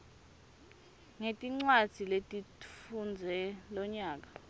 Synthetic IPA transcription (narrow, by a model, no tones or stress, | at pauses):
ŋetʼiŋ͡ǀwad̥z̥ʱiletʼifund͡zʱɛlɔɲaːk̬ḁ